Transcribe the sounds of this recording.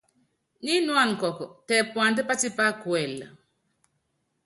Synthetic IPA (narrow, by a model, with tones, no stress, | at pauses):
ni˦nwa˦˨nkɔ˨kɔ˨tɛ˨pwa˨ndɛ˦pa˦ti˦pa˦kwɛ˨l